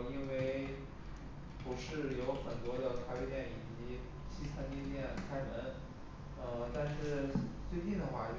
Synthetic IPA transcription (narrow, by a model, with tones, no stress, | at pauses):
i˥nwe˥˧˩ɪ | pu˧˥ʂɻ̩˥˩jo˧˥ʊxə˨˩nt̪wɔ˥d̪jɑ˥˩ʊk̪ʰa˥ɪpe˥jɛ˥˩ni˨˩t͡ɕi˧˥ | ɕi˥sʰa˥nt̪i˥˧t̪jɛ˥˩nkʰa˥ɪnə˧˥n | ə˥˧t̪a˥˧nʂɻ̩˥˧t͡swe˥˧ɪt͡ɕi˥˩nd̪ə˩xwa˥˩